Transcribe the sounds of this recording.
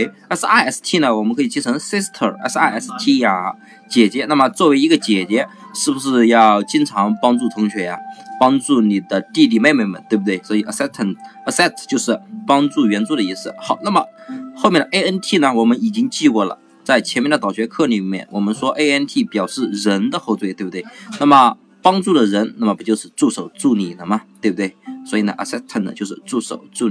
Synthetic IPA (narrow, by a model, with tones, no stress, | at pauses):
e˥˩ɪ | ɛ˥sa˥˧ɪɛ˥st̪ʰi˥˩nə˩wɔ˨˩mə˦˥nkʰɤ˧˥i˨˩t͡ɕi˥nʈ͡ʂʰɤ˧˥ŋsɛ˥st̪ʰə˨˩ɛ̰˧˥sa˥ɪɛ˥˩st̪ʰi˥˩a˧˩ | t͡ɕjɛ˨˩t͡ɕjɛ˧˥na˥˩mə˩t͡swɔ˥˩we˧˥ɪi˧˥ɡə˧t͡ɕjɛ˨˩t͡ɕɛ˧˥ | ʂɻ̩˥˩bu˩ʂɻ̩˥˧jɑ˥˧ʊt͡ɕi˥nʈ͡ʂʰɑ˧˥ŋpɑ˥ŋʈ͡ʂu˥˩t̪ʰʊ˧˥ŋɕʰɥɛ˧˥ja˧pɑ˥ŋʈ͡ʂu˥˩ni˨˩d̪ə˦t̪i˥˧t̪̬i˥˩me˥˧ɪme˥˩ɪmə̰˦nt̪we˥˩bə˩t̪we˥˩ɪswɔ˧˥i˨˩ʔə˧sɛ˥ə˧˩nə˧˩sɛ˥˩t̪ʰt͡ɕjo˥˧ʊʂɻ̩˥˩pɑ˥ŋʈ͡ʂu˥˩ɥɛ˧˥nt͡su˥d̪ə˩i˥˧sɹ̩˥˩xɑ˨˩˦ʊna˥˩mə˩xo˥˧ʊmjɛ˥˩nd̪ə˩ʔe˥ɪə˥nt̪ʰi˥˩nə˩wɔ˨˩mə˦ni˨˩t͡ɕi˥ŋt͡ɕi˥˧kwɔ˥˩lə̰˩ | t͡sa˥˩ɪt͡ɕʰjɛ˧˥nmjɛ˥˩ndə˩t̪ɑ˨˩ɕɥɛ˧˥kʰɤ˥˩li˨˩mjɛ̰˥˩nwɔ˨˩mə˦nʂwɔ˥ʔe˥ɪɛ˥nt̪ʰi˥˩pjɑ˨˩ʊʂɻ̩˥˩ɻə˧˥nd̪ə˧xo˥˧ʊt͡swe˥˩ɪt̪b̚u˩t̪we˥˩ɪna˥˩mə˩ | pɑ˥ŋʈ͡ʂu˥˩d̪ə˩ɻə˧˥nna˥˩mə˩pu˧˥jo˥˧ʊʂɻ̩˥˧t͡su˥˩ʂo˨˩ʊt͡su˥˩ni˨˩nə˦mɐ˩t̪we˥˧bu˩t̪we˥˩ɪswɔ˧˥i˨˩nə̰˩ʔə˧˩sɛ˥st̪ʰə˥˩nə̰˩t͡ɕjo˥˧ʊʂɻ̩˥˧ʈ͡ʂu˥˩ʂo˨˩ʊt͡su˥˩